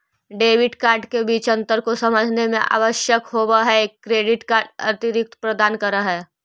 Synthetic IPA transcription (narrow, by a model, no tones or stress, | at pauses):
ɖeːʋɪɖkaːɾɖkebiːt͡ʃɐ̃nt̪əɾkosɐməd͡ʒʱnemḛ̃ʔa̰ːʋəʃjəkɦoːbaɦɛeːkːɾeːɖɪʈkaːɾɖɐ̰t̪ɪɾɪk̚t̪pɾɐd̪aːnkɐɾaɦɛː